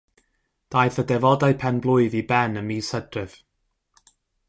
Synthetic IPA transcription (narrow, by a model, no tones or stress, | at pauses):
d̥ajθədɛvɔdaɨpʰɛnblˠʊɨðibɛnəmiːsədrɪv̥